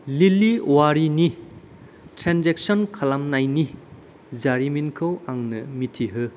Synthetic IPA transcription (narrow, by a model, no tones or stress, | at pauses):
liliwaɾini | tɾanzek̚sɔnkʰɐlamnajni | zaɾiminkʰɯwaŋnɐmitʰiɦɯ